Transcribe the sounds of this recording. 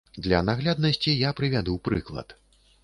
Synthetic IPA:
d̪lʲɐnaɣlʲad̪nɐsʲt͡sʲijapɾɨvʲad̪uwpɾɨklˠɐ̰t̪

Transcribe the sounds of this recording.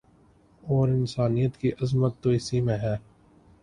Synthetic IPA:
ɔːɾɪnsaːnijət̪kiʔɐzmət̪ːoɪsimẽɦɛː

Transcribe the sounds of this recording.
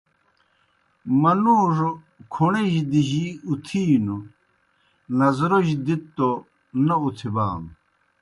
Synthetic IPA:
mɐnuːʂo | kʰuɳeʑd̪iʑiut̪ʰiːnu | nɐzɾoɕd̪it̪ːo | nɐut̪ʰiba̰ːm

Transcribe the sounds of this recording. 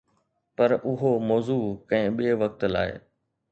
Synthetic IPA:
pɐɾʊɦomɔːzuːkɐ̃ɦɪ̃ɓeːʋɐk̚t̪la̰ːɪ̰

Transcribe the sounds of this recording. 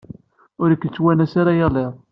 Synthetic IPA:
ʊɾəkːt͡sːwænæsaɾajaleʁ

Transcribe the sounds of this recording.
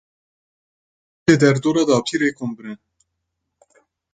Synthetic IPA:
eːd̪ɛɾd̪oːɾɑːd̪ɑːp̚t̪ʰiːɾeːkʰombɨɾɨn

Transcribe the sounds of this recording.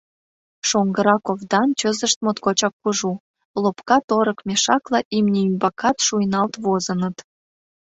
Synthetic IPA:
ʃoŋɡəɾɑkovd̪ɑnt͡ɕøzə̆ʃt̪̚mot̪kot͡ɕɑkːuʒu | lopkɑt̪oɾəkmʲeʃɑklɑʔimnʲeymbɑkɑt̪ʃujnɑlt̪βozənət̪

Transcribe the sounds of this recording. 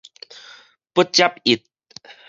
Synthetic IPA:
pət͡ɕap̚it̪̚

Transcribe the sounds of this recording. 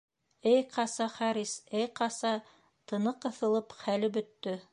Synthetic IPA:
ɘjqʰɑsɑχɑɾisɘjqɑsɑ | t̪ɤ̆nɤqɤ̆θɤ̆lˠɤpχælɘbɵ̆t̪ːɵ

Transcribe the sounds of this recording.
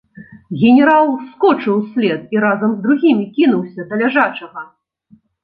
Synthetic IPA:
ɣʲɛnʲɛɾalˠskɔt͡ʂɨwsʲlʲɛt̪̚iɾazɐmzd̪ɾuɣʲimʲikʲin̪uwsʲɐd̪ɐlʲaʐat͡ʂɐɣɐ

